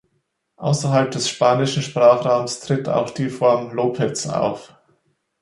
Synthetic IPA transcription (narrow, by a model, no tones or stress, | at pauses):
ʔa̰ʊsɐɦalp̚d̥ɛsʃpaːnɪʃn̩ʃpʁ̥aːχʁ̥aʊmstʁ̥ɪta̰ʊxd̥iːfɔɐmloːpʰɛt͡sa̰ʊf